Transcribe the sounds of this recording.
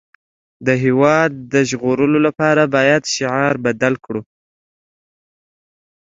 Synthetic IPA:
d̪əɦewɑd̪̚ːəʒɣoɾəlolapɑɾabɑjad̪ʃɪʕɑɾbad̪alkɽu

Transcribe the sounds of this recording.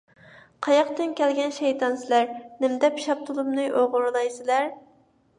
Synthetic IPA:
qʰɑjɑqt̪ɨnkʲɛlɡʲɛnʃɛjt̪ɑnsɪlæɾnɪmd̪ɛpʃɑp̚t̪ʰulˠumnɨʔoʁʊɾɨlˠɑjsɪlæɾ

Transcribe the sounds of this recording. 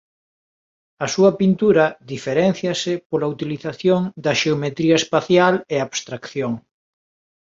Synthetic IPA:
ɐsuɐpint̪uɾɐðifeɾɛnθjɐsɪpolɐut̪iliθaθjoŋd̪ɐʃeomet̪ɾiɐespaθjaleaβst̪ɾakθjoŋ

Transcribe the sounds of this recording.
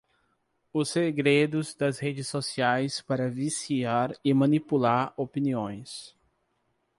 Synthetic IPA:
ʊsːeɡɾed̪ʊzd̪ɐshed͡ʒɪsːosiajspaɾɐvisiaɾɪmɐ̃nipulaɾopiniõj̃s

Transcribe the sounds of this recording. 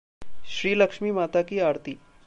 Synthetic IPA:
ʃɾiːləkʂmiːmaːt̪akiaːɾt̪i

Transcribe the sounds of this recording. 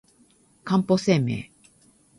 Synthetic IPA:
kãmposeːmḛː

